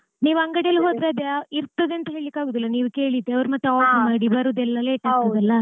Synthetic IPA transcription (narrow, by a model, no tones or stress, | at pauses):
niːʋuɐŋɡɐɽjɐlːuɦo̞ːd̪ɾeɐd̪eiɾt̪ːɐd̪eɐnt̪ɐɦeɭlikːaːɡoːd̪ilːɐniːʋuke̞ːɭid̪eɐʋɾmɐt̪ːeaːpimaːɽibɐɾud̪ɛlːɐleːʈːaaːɡt̪ɐd̪ɐlːɐ